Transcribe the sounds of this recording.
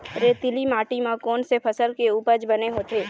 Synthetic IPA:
ɾeːt̪ɪlimaːʈimãkɔːnsepʰɐsəlkeuːpəɾd͡ʒbɐneɦoːt̪ʰeː

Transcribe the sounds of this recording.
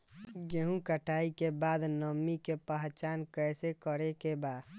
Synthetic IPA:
ɡeɦũkəʈʰaikebad̪nəmːikepəɦt͡ʃankəjsekəɾekeba

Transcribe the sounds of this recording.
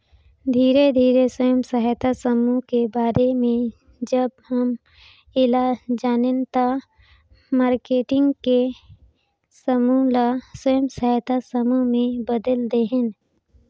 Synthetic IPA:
d̪ʱiːɾed̪ʱiːɾesəjəmsəɦət̪asəmukebaːɾemẽ | d͡ʒəb̚həm | ɪlad͡ʒaːnent̪a | maːɾkeːʈɪ̃ŋɡke | səmulasəjəmsəɦət̪asəmumẽbəd̪əld̪eɦẽn

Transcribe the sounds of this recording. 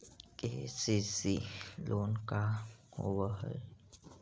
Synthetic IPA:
kḛsisilʔoːnkaho̰ʋəɦə̰

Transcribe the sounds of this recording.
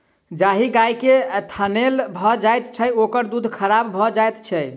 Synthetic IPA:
d͡ʒaɦiɡajket̪ʰanelbʱɔd͡ʒajt̪t͡ʃʰəokəɾd̪ud̪ʱkʰəɾabʱɔd͡ʒajt̪t͡ʃʰəj

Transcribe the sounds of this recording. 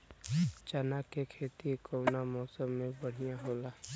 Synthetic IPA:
t͡ʃənakekʰeːt̪ikoːnamɔːsəmːẽbəɽ̤ijãɦoːla

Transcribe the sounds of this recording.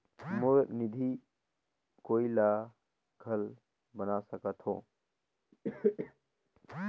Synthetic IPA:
monid̪ʱi | koila | ɡʱəl | bənasəkət̪ʰhõ̰

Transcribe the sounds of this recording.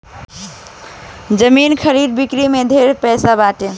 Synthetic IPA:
d͡ʒəminkʰəɾiɖ̪̚bikɾimed̪ʱeɾpɛjsabaʈe

